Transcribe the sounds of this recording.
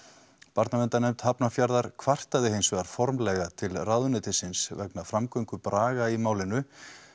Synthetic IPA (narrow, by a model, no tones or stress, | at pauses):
paɾt̪namɛnt̪anɛjmt̪hapnafjaɾðaɾ̥kʰvar̥t̪aðɪɦeːjnsɛɣaɾ̥fɔɾmlɛɣat̪ʰɪlrawðʏnɛːt̪ɪsɪnsvɛknafɾamkœɥŋkʏpɾaːɣaimaːwlɪnʏ